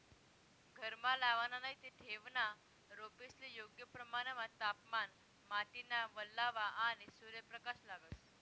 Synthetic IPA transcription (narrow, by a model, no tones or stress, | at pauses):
ɡʱəɾmalaʋananajt̪eʈʰeʋna | ɾopislijoɡjəpɾəmaɽ̃emat̪apman | maʈinaʋəlːaʋaañisuɾjəpɾəkaɕlaɡəs